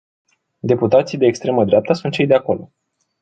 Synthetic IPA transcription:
d̪e̞put̪at̪sijd̪e̞ːkst̪ɾe̞məd̪ɾeap̚t̪əsunt̪ʃe̞jd̪e̞ako̞lo̞

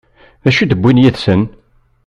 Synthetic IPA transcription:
ðæʃud̪əbʷːinjiðsən

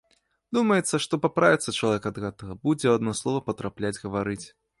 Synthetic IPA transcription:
d̪umɐjɛt̪sːɐʂt̪ɔpapɾavʲit̪sːɐt͡ʂɐlˠavʲɛkɐd̪ɣɛt̪ɐɣɐbud͡zʲɛad̪nɔslˠɔvɐpɐt̪ɾaplʲad͡zʲɣɐvaɾɨt͡sʲ

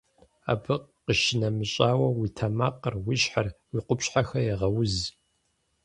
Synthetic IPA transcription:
a̰ːbɨqəʃɪnɐmɨɕʼaːwɐwitʰɐmaqərwiɕħarwiqʷʊpɕħaxɐjɛʁɐwʊz

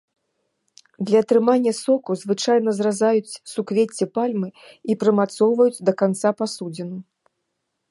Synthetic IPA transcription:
d̪lʲɐːt̪ɾɨmanʲːɐsɔkuzvɨt͡ʂajnɐzrazajut͡sʲsukvʲet͡sʲːɛpalʲmɨipɾɨmat̪sɔwvɐjut͡sʲd̪ɐkant̪sapasud͡zʲɛnu

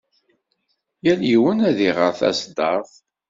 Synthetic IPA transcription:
jæljiwənæðiʁə̰ɾθæ̰sd̪ɑɾθ

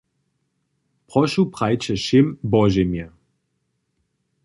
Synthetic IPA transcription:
pʁɔʃupʁajt͡ʃɛʃɪmbɔʒɛmjɛ

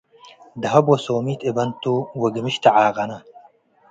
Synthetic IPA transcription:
d̪ɐɦɐbosoːmiːt̪ebɐnt̪uwɐɡimiɕt̪ɐʕaːɣɐnɐ

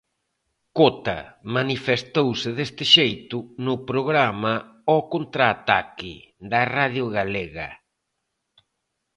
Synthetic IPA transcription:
kot̪a̰manifest̪owsɪðest̪ɪʃejt̪ʊnʊpɾoɣɾamaɔkont̪ɾaːt̪akɪðɐraðjʊɣaleɣɐ̰

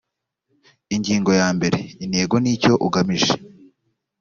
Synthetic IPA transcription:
iɲɟiːŋɡo̞jaːmbe̞ɾe̞ineːɡoniːco̞ʔuɡamiʒe̥

